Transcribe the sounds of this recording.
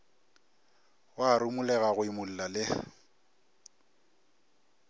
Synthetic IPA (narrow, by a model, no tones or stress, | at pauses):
waɾʊmulɛɣaɣʊɪmʊl̩lalɪ